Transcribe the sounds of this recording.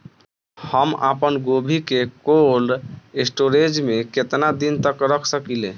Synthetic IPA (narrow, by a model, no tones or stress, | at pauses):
həma̰pənɡobʱikekolesʈoɾed͡ʒmeket̪nad̪int̪əkɾəkʰsəkilẽ